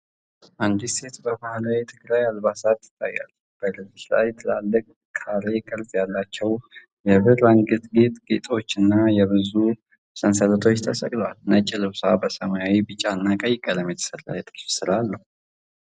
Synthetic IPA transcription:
ʔand̪ise̞t̪bəmahlajt̪ʰɨɡɾajalβasat̪ːɨ̥t̪ʼːa̰jːa̰lː | b̥əlɨziʃla̰jɛt̪ʰːɨlalːəkʼ | kʰaɾe̞kʼɨɾzjalːat͡ʃːɛw | jɛβɨɾaŋɡɨt̪ɡet̪ɡet̪ʼo̞t͡ʃːɨnːajɛβɨzu | sənsələt̪ʰo̞t͡ʃːt̪ʰəsə̰kʼlowalnət͡ʃʼːɪlɨwsabəsəmajawibɨt͡ʃʼːaɨnːakʼəjɪkʼːələmjɛt̪ʰə̥səɾa̰jt̪ʼɨ̥fsɨlalːəhu

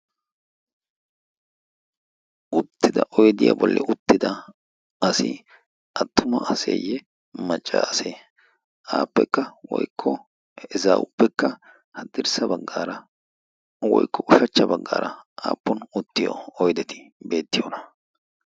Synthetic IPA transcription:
ʊt̪ːɪd̪ɐʔɔjd̪ɪja̰bɔlːɛ̰ʊt̪ːɪd̪ɐ | ɐsɪ | ʔɐt̪ːʊmɐɐsḛjɛ | mɐt͡ʃʼːase | aːpːɛkːɐwɔjkʰːɔ | ɪzaːʊpːɛkːɐ | hɐd̪ɪɾsɐbɐɡːaːɾɐ | wɔjkːɔʊʃɐt͡ʃːɐbɐɡːaːɾʔɐʔaːpːɔnʊt̪ːɪjɔ̰ɔjd̪ɛt̪ɪ̥be̞ːt̪ːɪjoːnɐ

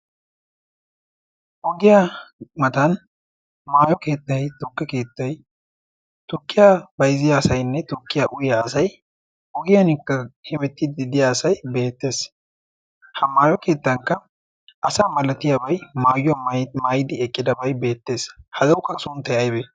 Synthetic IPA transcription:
ʔɔɡɪjamɐt̪ɐn | maːjɔke̞ːt̪ːɐjt̪ʊkːɛke̞ːt̪ːɐj | t̪ʊkːɪjabɐjzɪjaːsɐjnːɛt̪ʊkːɪjaʔʊjɪjaːsɐj | ʔɔɡɪjɐnɪkːɐhɪmɛt̪ːɪd̪ɪd̪ɪjaːsɐjbe̞ːt̪ːe̞ːs | hɐmaːjɔke̞ːt̪ːɐŋkːɐ | ʔɐsaːmɐlɐt̪ɪjɐbɐjmaːjmajɪd̪ɪɛkʼːɪd̪ɐbɐjbe̞ːt̪ːe̞ːshɐzɐwʊkːɐɐsʊnt̪ɛjɐjbe

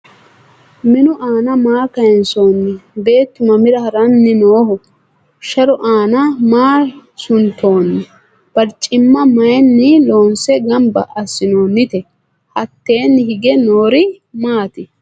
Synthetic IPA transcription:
mɪnʊʔaːnɐmaːkɐjɛnso̞ːnːɪbe̞ːt̪ːʊmɐmɪɾɐhɐɾɐnːɪnoːhɔ | ʃɐɾɔʔaːnɐmaːsʊnt̪ʰːo̞ːnːɪ | b̥ɐɾt͡ʃʼɪmːɐmɐjɛnːɪlo̞ːnsɛɡɐmbɐ̰ʔɐsɪnoːnːɪt̪ɛ | hɐt̪ːe̞ːnːɪhɪɡɛnoːɾɪ | maːt̪ɪ

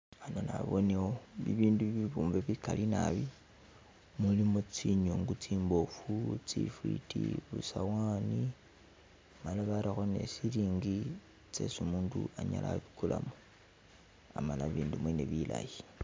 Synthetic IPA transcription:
anonaβoneoβiβiːnduβiβuːmveβikalinaβi | mulimot͡siɲoŋɡut͡siːmbo̞fut͡sifwitiβusawani | malaβaɾixone̞̰siɾiːŋɡi | t͡sesumuːnduaɲala̰βikulamo | amalaβiːndumweneβila̰ji

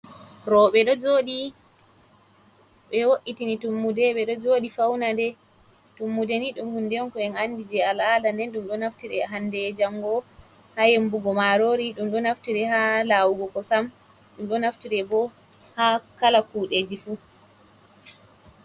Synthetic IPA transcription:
ɾɔɓɛɗɔd͡ʒoɗi | ɓɛwoʔitinitumːudɛɓɛɗɔd͡ʒoːɗifawnadɛ | tumːudeniɗumhundɛɔnkɔɛnanːdid͡ʒɛaladandɛnɗumɗɔnaftiɾɛɦandɛd͡ʒaŋɡɔ | hajembuɡɔmaɾoɾiɗumɗɔnaftiɾɛhalawuɡɔkɔsam | ɗumɗɔnaftiɾɛbɔ | hakalakuːɗed͡ʒifu

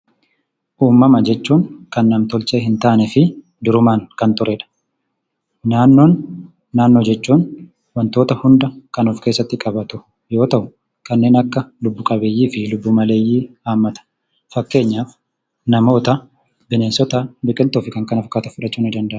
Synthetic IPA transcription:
ʔuːmːɐmɐd͡ʒɛt͡ʃːuːŋkɐnːɐmt̪ɔlt͡ʃeːhɪnt̪aːnɛfɪ | d̪ʊɾʊmaːŋkɐnt̪ʊɾʔɛᶑɐ̥ | naːnːoːnː | aːnːoːd͡ʒɛt͡ʃːuːn | wɐnt̪oːt̪ɐhʊnd̪ɐkɐnuːfke̞ːsːɐt̪ːɪkʼɐbɐt̪ʊ | jo̞ːt̪ɐʔʊ | kɐnːe̞ːnɐkːɐlʊbːʊkʼɐbeːjːiːfɪlʊbːʊmɐle̞ːjːiːaːmːɐt̪ɐ̥ | fɐkːe̞ːɲːaːf | nɐmo̞ːt̪ɐ | bɪneːnsɔt̪aːbɪkʼɪlt̪oːfɪkɐŋkɐnɐfkːaːt̪ɐfʊᶑɐt͡ʃːuːnɪd̪ɐnd̪ɐʔ

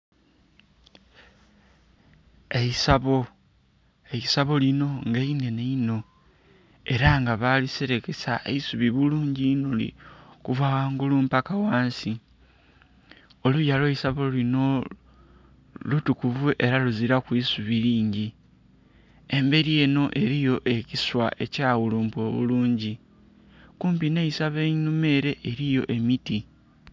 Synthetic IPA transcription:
eisaβo | eisaβo̞lino̞ŋɡaine̞neino̞ | e̞ɾaŋɡaβaliseɾeke̞saeisuβiβuluːɲɟinolḭkuvawaːŋɡulumpakawaːnsi | o̞lujalweisaβolino̞ | lutukuvuʔe̞ɾaluziɾakwisuβiɾiːɲɟi | e̞mbe̞ɾie̞ːno̞ʔe̞ɾijo̞ʔe̞ciswa̰ʔe̞caːwuluːmpo̞βṵluːɲɟi | kuːmpineisaβenume̞ːɾe̞ʔːɾijo̞ʔe̞miti

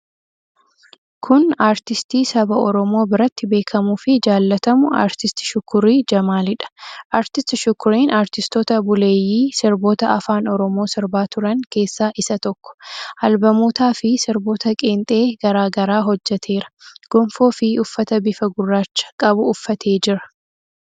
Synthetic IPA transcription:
kʰʊnaːɾt̪ɪst̪iːsɐbɐʔɔɾɔmo̞ːbɪɾɐt̪ːɪbe̞ːkʰɐmuːfɪd͡ʒaːlːɐt̪ɐmʊa̰ːɾt̪ɪst̪ɪ̥ʃʊkːʊɾiːd͡ʒɐmaːlɪᶑɐ̥ʔaːɾt̪ɪst̪ɪʃʊkːʊɾiːnʔaːɾt̪ɪst̪ɔːt̪ɐbʊle̞ːjiːsɪɾbo̞ːt̪ɐɐfaːnɔɾɔmo̞ːsɪɾbaːt̪ʊɾɐŋke̞ːsːaːʔɪsɐt̪ɔkːɔ̥ʔɐlbɐmoːt̪aːfɪsɪɾbo̞ːt̪ɐkʼeːnt̪ʼe̞ːɡɐɾaːɡɐɾaːɦɔd͡ʒːɛt̪ʰe̞ːɾɐ̥ɡ̥ɔmfo̞ːfɪʊfːɐt̪ɐbɪfɐɡʊrːaːt͡ʃːɐ̥kʼɐbʊːfːɐt̪ʰe̞ːd͡ʒɪɾɐ̥

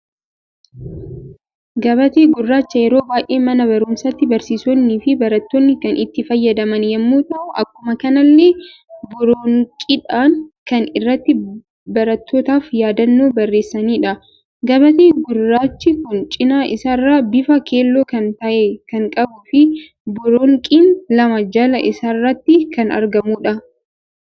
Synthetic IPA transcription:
ɡɐβɐt̪eːɡʊrːaːt͡ʃːɐjɛɾo̞ːbaːjʔe̞ːmɐnɐbɐɾʊmsɐt̪ːɪbɐɾsiːsɔnːiːfɪbɐɾɐt̪ːoːnːɪkɐnʔɪt̪ːɪfɐjːɐd̪ɐmɐnjɛmːuːt̪ɐʔʊʔɐkːʊmɐkɐnɐlːeː | bʊɾoŋkʼɪᶑaːŋkɐnɪrːɐt̪ːɪ | bɐɾɐt̪ːoːt̪aːfjaːd̪ɐnːo̞ːbɐrːe̞ːsːɐniːᶑɐ | ɡɐbɐt̪eːɡʊrːaːt͡ʃːɪkʊnt͡ʃʼɪnaːʔɪsaɪrːaːbɪfɐkʰe̞ːlːoːkɐnt̪ɐʔekɐŋkʼɐbʊfɪ | bʊɾoːŋkʼiːnlɐmɐd͡ʒalɐʔɪsarːɐt̪ːɪkɐnɐ̰ɾɡɐmuːᶑɐ

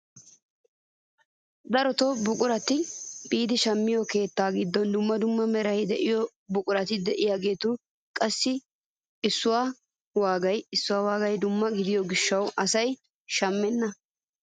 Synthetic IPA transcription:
d̪ɐɾɔt̪obʊkʼʊɾɐt̪ɪbiːd̪ɪʃɐmːɪjɔke̞ːt̪ːaːɡɪd̪ːɔnd̪ʊmːɐd̪ʊmːɐmɛɾɐjd̪ɛʔɪjɔ | bʊkʼʊɾɐt̪ɪd̪ɛʔɪjaːɡe̞ːt̪ʊ | kʼɐsːɪ | ɪsːʊwaː | waːɡɐjɪsːʊwaːwaːɡɐjd̪ʊmːɐɡɪd̪ɪjɔɡɪʃːɐwʔɐsɐj | ʃɐmːɛnːɐ

